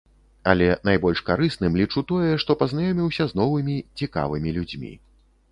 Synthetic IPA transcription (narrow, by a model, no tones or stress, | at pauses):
ɐlʲɛnajbɔlʲʂkaɾɨsnɨmlʲit͡ʂut̪ɔjɛʂt̪ɔpɐznajɔmʲiwsʲɐzn̪ɔvɨmʲit͡sʲika̰vɨmʲilʲud͡zʲmʲḭ